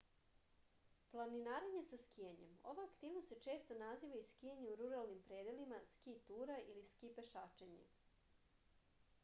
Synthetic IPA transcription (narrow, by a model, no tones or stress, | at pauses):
plˠaninaːɾeɲe̞saskiaɲe̞̰mo̞̰ʋaakt̪iːʋnost̪set͡ʃe̞ːst̪onaziːʋaiskijeɲeuɾuɾalnimpɾeːd̪elimaskit̪uɾailiskipeʃaːt͡ʃeɲḛ